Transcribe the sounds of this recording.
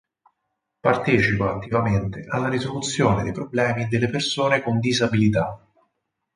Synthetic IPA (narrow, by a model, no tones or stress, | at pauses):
part̪eːt͡ʃipaat̪ːivament̪eʔalːaɾizolut̪sːjoːned̪ejpɾoblɛːmid̪elːepersoːnekond̪izabilit̪a